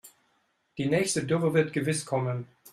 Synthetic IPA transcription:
d̥iːnɛːçstədʏʁəvɪɐtɡ̥əvɪskʰɔmən

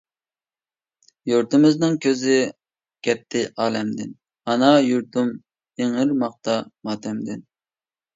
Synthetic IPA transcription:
juɾt̪ɪmɪznɪŋkʲʰøzɪ | kʲɛt̪ʰːɪʔɑːlɛmd̪ɪn | ɑnɑjuɾt̪um | eŋɪɾmɑχ̚t̪ɑmɑːt̪ʰɛmd̪ɪn

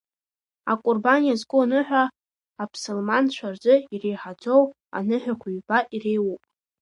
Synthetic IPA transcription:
a̰kʷʼʊrbanijazkʷʼʊnɨħᶣʷaː | pʰsolmant͡ʃʷʰard͡zʷʼɨirejħad͡zʷo̞w | a̰nɨħᶣakʷʰuɥbaʔirejwupʼ

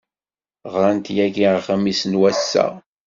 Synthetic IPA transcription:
ʁɾˤant̪jæʝiχamisənwæsːæ̰

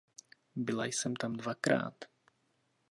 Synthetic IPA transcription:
bɪlajsɛmt̪amdvakɾa̰ːt̪

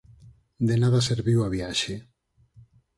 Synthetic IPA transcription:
d̪enaðaseɾβiwaβjaʃe

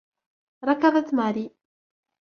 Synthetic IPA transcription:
ɾˤɑkaðˤat̪maɾi

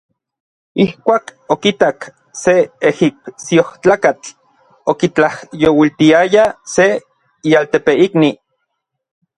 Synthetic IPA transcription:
ihkʷaːkokit̪ak | seehip̚sioht͡ɬaːkat͡ɬ | okit͡ɬahjowilt̪iajase | ialt̪epeikni

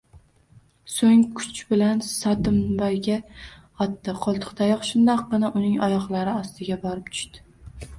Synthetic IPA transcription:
soŋkʰʊ̥t͡ʃbɪlansɒd̪ɪmbajɡʲaɒt̪ːɪqʰɒlˠt̪ʰɨ̥qt̪ʰajɒχʃʊnd̪ɑqːɨnɪʔʊnɪŋɒjɒqlˠaɾɪɒst̪ɪɡʲabɒɾɪp̚t̪ʰʊ̥ʃt̪ɪ̥

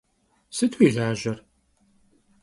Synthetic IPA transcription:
sɨtʰwiːɮaːʒɐr

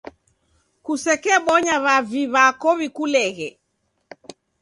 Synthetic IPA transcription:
kusɛkɛɓɔɲaβaviβakɔβikulɛɣɛ

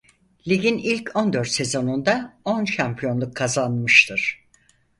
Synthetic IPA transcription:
lʲiɡʲinilʲcʰo̞nd̪øɾt̪se̞zo̞nund̪ao̞nʃampʰijo̞nlˠukʰːazanmɯʃt̪ʰɯɾ̥

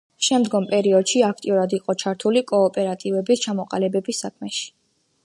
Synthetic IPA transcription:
ʃɛmd̪ɡɔmpʼɛɾiɔd̪̥ʃiak̚ʰt̪ʼiuɾad̪iqʼɔt͡ʃʰaɾt̪ʰulikʼɔːpʼɛɾat̪ʼivɛbist͡ʃʰamɔqʼalɛbɛbisːakʰmɛʃi̥

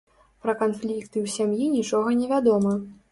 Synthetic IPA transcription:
pɾɐkanflʲikt̪ɨwsʲamjinʲit͡ʂɔɣɐnʲɛvʲad̪ɔmɐ

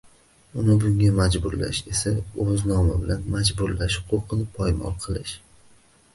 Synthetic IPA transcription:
ʊnɪbʊŋʲamad͡ʒbʊɾla̰ʃe̞saɵznɒmɪbɪlanmad͡ʒbʊɾlaʃqʰoqʰɨnɪpʰɒjmɒ̰lˠqʰɨlˠɪʃ

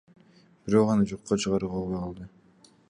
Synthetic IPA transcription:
b̥iɾo̞qɑnɯd͡ʒoqːot͡ʃʰɯʁɑɾɯqʰolˠβojqʰɑlˠd̪ɯ

